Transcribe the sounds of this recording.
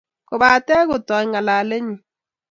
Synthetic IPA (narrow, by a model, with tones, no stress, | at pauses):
ko˨βa˨tɛ˦ɣo˨tɔ˨i˦ŋa˨la˨le˦ɲi˨